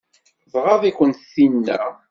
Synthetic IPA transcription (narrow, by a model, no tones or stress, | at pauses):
ðˤʁɑðikʷənt̪θinːæ̰